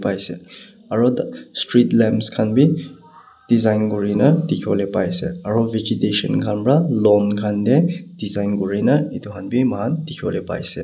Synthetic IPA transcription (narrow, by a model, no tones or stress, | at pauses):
pajse | aɾɔdstɾitlemskʰanbi | d̥izajnɡuɾinatikʰiolepajsḛaɾɔved͡ʒitesɔ̰nkʰanbɾalɔnkʰanded̥izajnɡuɾinaitukʰanbimaɦandikʰiɔlepa̰jse